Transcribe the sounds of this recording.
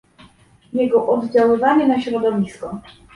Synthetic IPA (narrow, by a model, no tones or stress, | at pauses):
jɛɡɔʔɔd̪d͡ʑawɘvaɲɛnaɕɾɔd̪ɔvʲiskɔ